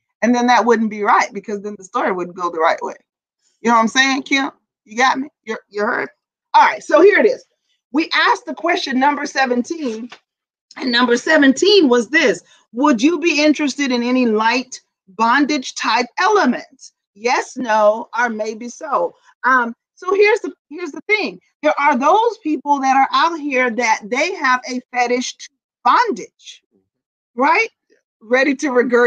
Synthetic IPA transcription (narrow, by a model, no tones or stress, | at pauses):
ɨ̃nðɨ̃nðɨt̚wʊdⁿn̩b̥iɹaɪt̚b̥ɨkʰʌzðɨ̃nðəstɔɹiwʊdⁿn̩ɡ̥oʊðəɹaɪʔwḛɪ | jɨnoãɪ̃mseɪɪ̃ŋkʰæ̃ | jɨɡɑt̚mijə˞jə˞hɜ̰˞d̥̚ | ɑlˠɹaɪtsoʊhiɹɨɾɪz̥ | wiʔæsk̚ðɨkʰw̥ɛst͡ʃɨ̃nːʌ̃mbə˞sɛvɨ̃ntʰĩn | ɨ̃nːʌ̃mbə˞sɛvɨ̃ntʰĩnwʌzðɪs | wəd͡ʒɨbiɪ̃nt͡ʃɹ̥ɨstɨɾɨ̃nɛñilaɪt | b̥ɑ̃ndɨd̥ʒ̥tʰaɪp̚ɛlˠəmɨ̃nts | jɛsnoʊə˞meɪbisoʊ | ʔʌ̃m | soʊhɪɹzðɨhɪɹzðəθɪ̃ŋ | ðə˞ʔə˞ðoʊz̥pʰipl̩ˠðɨɾə˞ʔaʊt̚hiɹðɨt̪̚ðeɪəvɨfɛɾɪʃ | b̥ɑ̃ndɪd̥ʒ̥ | ɹaɪt̚ | ɹɛɾiɾɨɹɨɡɜ